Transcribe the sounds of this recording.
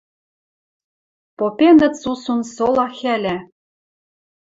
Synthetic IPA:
popʲenɘ̆t̪susunsolˠɑxælʲæ

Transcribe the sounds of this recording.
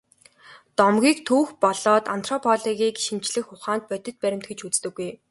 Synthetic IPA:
t̪ɔmɡʲiːkt̪ʰuːxpɔɮɔːt̪an̥t̪ʰrɔpʰɔɮiɣiːkʃimt͡ɕɮɘ̆xʊχaːnt̪̚pœt̪ʲɪ̆t̪̚pæɾʲɪ̆m̥t̪ɡĕt͡ɕut͡st̪ɘ̆ɡːuj

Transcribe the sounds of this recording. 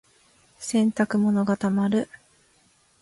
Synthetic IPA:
sẽ̞nt̪akɯ̟mo̞noɡat̪amaɾɯ̟

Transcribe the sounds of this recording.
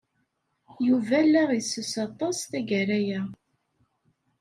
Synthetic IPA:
juvælːæʁjsːəsɑt̪ˤɑsθæʝəɾæjæ

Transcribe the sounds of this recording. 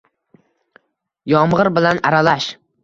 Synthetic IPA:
jɒmʁɨɾbɪlanaɾalaʃ

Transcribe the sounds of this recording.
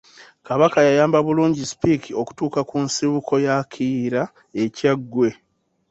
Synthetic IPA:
kaβakajajaːmbaβuluːɲɟispikʰio̞ku̥tuːkakunsiβuko̞jakʰiːɾa | e̞caɡwe̞

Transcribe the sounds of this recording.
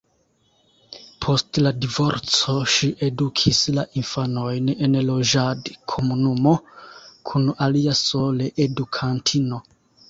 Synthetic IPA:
pʰo̞stladivo̞ɾt͡so̞ʃiʔe̞dukʰislaʔinfano̞jne̞nlo̞d͡ʒadkʰo̞munumo̞kʰunaliaso̞leʔedukʰantʰino̞

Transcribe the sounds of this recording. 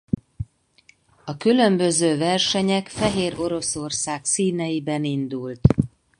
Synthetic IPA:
ɒkylø̞mbø̞zøːvɛrʃɛɲɛkfɛɦeːɾo̞ɾo̞so̞rsaːksiːnɛjibɛnind̪ult̪

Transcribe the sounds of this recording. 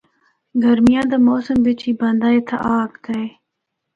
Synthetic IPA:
ɡəɾmɪjãːd̪əmoːsəmʋɪt͡ʃʰiːbənd̪aːeːt̪ʰa̰ʔaːɡd̪əeː

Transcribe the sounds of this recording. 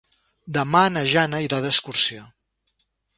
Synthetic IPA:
d̪əmanəʒanəiɾaðəskuɾsia

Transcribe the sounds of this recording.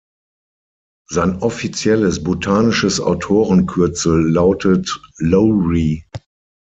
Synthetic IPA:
zaɪnʔɔfit͡sjɛləsbotʰaːnɪʃəsa̰ʊtʰoːʁənkʰʏɐt͡sl̩ːaʊtʰətlɔʁi

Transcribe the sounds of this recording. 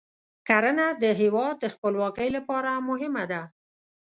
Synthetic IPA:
kaɾənad̪əɦewɑd̪̚ːəxpəlwɑkəjlapɑɾamʊɦɪmad̪a

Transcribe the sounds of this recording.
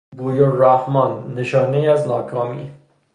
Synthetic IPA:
ɡuːjoræhmɒnːeʃɒːneiæznɒːkʰɒːmḭː

